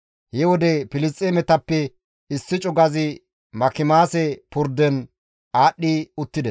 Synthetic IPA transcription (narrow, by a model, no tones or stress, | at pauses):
hɛwɔd̪ɛpɪlɪst̪ʼemɛt̪ɐpːɛ | ɪsːɪt͡ʃʼʊɡɐzɪ | mɐkɪmaːsɛpʊɾd̪ɛn | aːɗːiʊt̪ːɪd̪ɛs